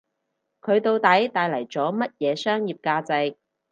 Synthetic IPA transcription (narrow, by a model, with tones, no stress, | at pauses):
kʰɵ˨˧ɥt̪o˧wt̪ɐ˨˥jt̪aː˨˧jlɐ˨˩jt͡sɔː˨˥mɐ˥t̚jɛː˨˧sœː˥ŋjiː˨p̚kaː˧t͡sɐ˧j